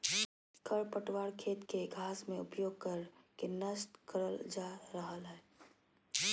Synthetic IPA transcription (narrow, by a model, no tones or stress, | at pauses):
kəɾpəʈwaːɾkʰeːt̪keɡʱaːsmẽʊpjoːɡ̚kəɾkenəst̪kəɾəld͡ʒaːɾəɦəlɦɛː